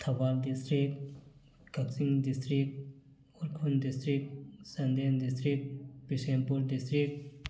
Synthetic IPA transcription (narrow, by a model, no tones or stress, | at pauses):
t̪ʰɐʋaːld̪ist̪ɾik | ɡɐksiŋɡd̪ist̪ɾik̚t | uɾkʰund̪ist̪ɾik̚sɐnd̪end̪ist̪ɾik̪̚pisempuɾd̪ist̪ɾik̚t̪